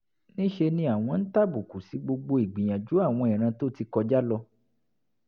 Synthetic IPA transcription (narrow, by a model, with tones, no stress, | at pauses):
nĩ˦ʃe˧nĩ˧a˦˨w̃ɔ̃˧n̩˦ta˦˨bu˨ku˨si˨˦ɡ͡bo˧ɡ͡bo˧i˨ɡ͡bĩ˨j̃ã˨d͡ʒu˨˦a˦˨w̃ɔ̃˧i˨ɾ̃ã˧to˦ti˧kɔ˧d͡ʒa˦lɔ˧